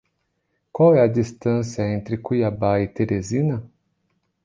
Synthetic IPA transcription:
kwawɛɐd͡ʒist̪ɐ̃sjɐẽnt̪ɾɪkujabaɪt̪eɾezinɐ

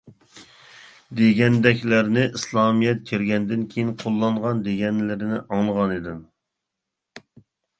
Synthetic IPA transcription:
d̪eɡʲɛnd̪ɛkʲlæɾnɪʔislˠɑmijɛt̪̚kʲʰeɾɡʲɛnd̪ɪnkʲʰejinqʰolˠːɑɴʁɑnd̪eɡʲɛnlɪɾɪnɪ̰ʔɑŋlˠəʁɑnid̪ɪm

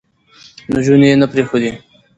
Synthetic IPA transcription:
noʒunejenapɾexod̪i

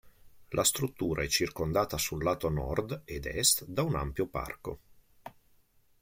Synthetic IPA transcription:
lʔast̪ɾut̪ːuːɾʔaɛt͡ʃːirkond̪aːt̪asulːaːt̪onɔ̰rd̪ed̪ɛst̪d̪auna̰mpjopa̰rko

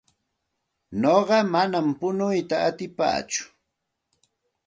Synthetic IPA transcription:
noɢɑmanampʊnʊjt̪aːt̪ɪpa̰ːt͡ʃʊ̥

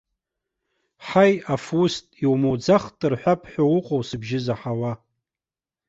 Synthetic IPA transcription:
ħajafustʼiwmowd͡zaχtʼɨrħʷᶣapʰʼħʷᶣawʊqʼowsɨbʒɪzaħawa

